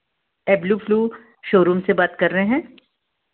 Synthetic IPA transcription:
ɛːbluːfluː | ʃoːɾuːmsebaːt̪kɐɾːɐɦẽɦɛ̃ː

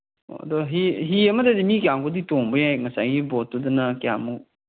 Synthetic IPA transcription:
o̰ɐ̰dɔɦiɦiɐmɐdedimikjaŋɡoditoŋbɯjajŋɐsa̰jɡibɔtːudɐnɐkia̰mu

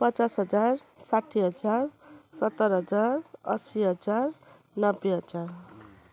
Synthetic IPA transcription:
pʌt͡sasɦʌd͡zarsaʈʰːiɦʌd͡zarsʌt̪ːʌɾɦʌd͡zarʌsiɦʌd͡zar | nʌbːeɦʌd͡zar

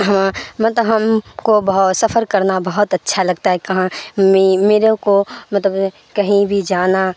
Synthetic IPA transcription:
ɦɐmamɐt̪ləɦɐmkobɐɦ̪sɐfʰəɾkɐɾnabɐɦʊt̪ɐtːʃʰalɐɡt̪aɦɛkɐɦãimeːɾokomɐt̪ləb | kɐɦĩbʱid͡ʒaːna

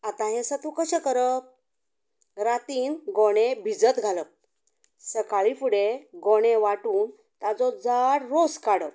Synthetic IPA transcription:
at̪ãɦɛ̃sət̪ukəɕɛkəɾəp̚ | ɾat̪iːnɡoɽ̃ẽbʱid͡zət̪ɡʱalə | səkaɭifuɽeɡɔɽ̃eʋaʈuːn | t̪ad͡zɔd͡zaɽɾoskaɽəp

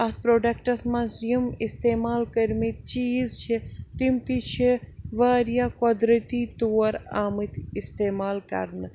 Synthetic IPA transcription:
ɐt̪̚pɾoːɖɐkʈɐsmãzjɐmist̪eːmaːlkɐɾmit̪̚t͡ʃiːzt͡ʃʰit̪imt̪it͡ʃʰiʋaːɾjaːkod̪ɾɐt̪it̪oːɐɾaːmɨt̪ist̪eːmaːlkɐ̰ɾnɨ

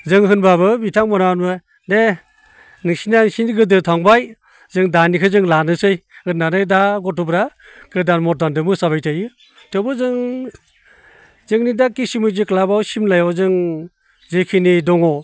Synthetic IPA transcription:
zɯŋɦɯnbabɯbitʰaŋmɔnanbɯ | de | nɯŋsinaŋsinɡɯdɯtʰaŋbaj | zɯŋdanikʰɯzɯŋlanɯsɯjɯnanɯjdaɡɔtʰubɾa | kɯdanmɔt̚dandɯmɯsabajtʰajɯ | tʰewbɯzɯŋ | zɯŋnidakːisimɯzɯklabawsimlajɔzɯŋ | zekʰinidɔŋɔ

